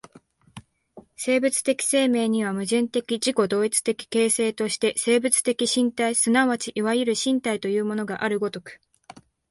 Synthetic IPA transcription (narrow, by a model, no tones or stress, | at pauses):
se̞ːbɯ̟t͡sɨ̥t̪e̞kʲi̥se̞ːme̞ːɲ̟iβ̞amɯ̟ʑɨ̃nt̪e̞kʲiʑiko̞d̪o̞ːit͡sɨ̥t̪e̞kʲi̥ke̞ːse̞ːt̪o̞ɕi̥t̪e̞se̞ːbɯ̟t͡sɨ̥t̪e̞kʲiɕĩnt̪aisɨnaβat͡ɕiʔiβajɯɾɯ̟ɕĩnt̪ait̪o̞jɯ̟ːmo̞no̞ɡaʔaɾɯ̟ɡo̞t̪o̞kɯ̟̥